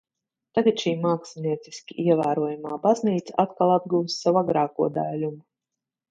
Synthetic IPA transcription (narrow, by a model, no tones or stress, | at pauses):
t̪aɡat̪ʃiːmaːksɛniɛt̪si̥skʲiʔiɛvæːɾuɔjumaːbazniːt̪saʔat̪kalˠad̪̚ɡuwsːavaɡɾaːkuɔd̪aːlʲum